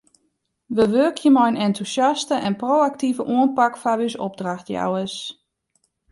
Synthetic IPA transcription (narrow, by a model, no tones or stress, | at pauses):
ʋəʋøːkʰjəmɔjənɛntʰusjastəʔɛnproːak̚tivəʔuənpakfaʋysɔb̚draxtja̰wəs